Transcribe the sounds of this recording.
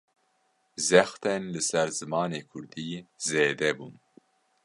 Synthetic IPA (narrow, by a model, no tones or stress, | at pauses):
zɛxt̪ɛnlɨsɛɾzɨmɑːneːkʰʊɾd̪iːzeːd̪ɛbun